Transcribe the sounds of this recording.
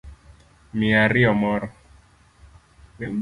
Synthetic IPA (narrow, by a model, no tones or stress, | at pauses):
miaɾiɔmɔɾɔ | wɛ